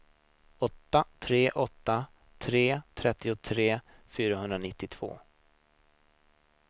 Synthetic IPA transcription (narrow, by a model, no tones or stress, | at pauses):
ɔt̪ːat̪ʰɾeːʔɔt̪ːa | t̪ʰɾeːt̪ʰɾɛt̪ːɪʊt̪ʰɾeː | fyːɾaɦɵnd̪ɾanɪt̪ːɪt̪ʰv̥o̰ː